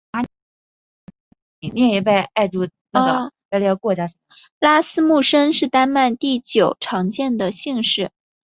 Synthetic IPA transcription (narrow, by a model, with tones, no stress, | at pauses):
a˧˥ | i˧˩ni˧˩ɛ˧˩jɛ˨˩p̬e˥˧ɪʔa˥˧ɪʈ͡ʂu˥˩n˧˩˥ɡə̰˧˥˧ | lkwɔ˥˩t͡ɕja˥˩ʂə˨˩˧ | la˥sɹ̩˥mu˥˩ʂə˥ŋʂɻ̩˥˩t̪a˥nma˥˧nt̪i˥˩t͡ɕjo˨˩ʊʈ͡ʂʰɑ˧˥ŋt͡ɕjɛ˥˩nd̪ə˩ɕi˥˧ŋʂɻ̩˥˩